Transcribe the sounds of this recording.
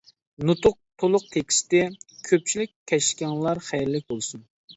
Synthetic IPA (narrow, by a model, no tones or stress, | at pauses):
nut̪ʊq̚t̪ʰolˠʊq̚t̪ʰekʲi̥st̪ɪkʲʰøp̚t͡ʃʰilɪkʲʰːɛʃkʲɑŋlˠɑɾχæjɾlɪk̚ʲbolˠsun